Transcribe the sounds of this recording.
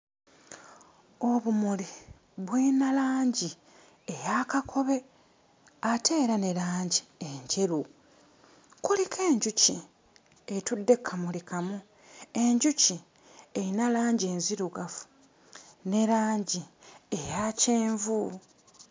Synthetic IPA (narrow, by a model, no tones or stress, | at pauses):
oβumuli | βwinalaːɲɟi | ejakakʰo̞βe̞ | atʰe̞ːɾane̞ɾaːɲɟieɲɟeɾu | kulikʰe̞ːɲɟuci | e̞tudːe̞kʰːamulikamu | e̞ɲɟuci | eɾinalaːɲɟie̞ːnziɾuɡafu̥ | ne̞ɾaːɲɟiejaceːɱvu